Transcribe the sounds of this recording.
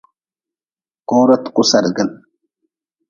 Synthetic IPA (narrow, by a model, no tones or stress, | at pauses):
koːɾɐt̪kʼʊsɐɾɡɐn